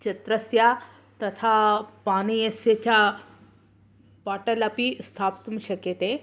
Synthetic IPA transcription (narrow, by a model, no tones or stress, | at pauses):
t͡ʃɐt̪ɾəsja | t̪ɐt̪ʰapañiesjet͡ɕa | paːʈəlapist̪ʰapt̪mɕəket̪e